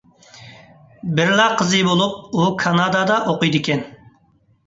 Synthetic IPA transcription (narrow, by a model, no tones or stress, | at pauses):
bɪɾlɑqʰəzɨbolˠup̚ukʰɑnɑd̪ɑd̪ɑʔoqʊjd̪ɨkʲʰɛn